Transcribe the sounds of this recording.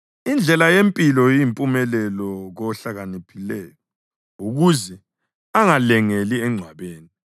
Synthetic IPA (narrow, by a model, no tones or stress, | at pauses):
ind͡ɮʱɛlajempʼilɔjimpʼumɛlɛlɔɣɔɬaɣanipʰilɛːjɔ | uɣuzɛ | aŋalɛŋeliɛŋ͡ǀʱwaβeːni